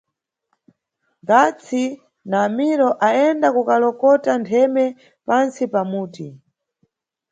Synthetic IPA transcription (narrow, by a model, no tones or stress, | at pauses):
ŋɡat͡sʰi | naːmiɾɔʔaɛndakukalɔkɔtantʰɛmɛ | pansipamuːti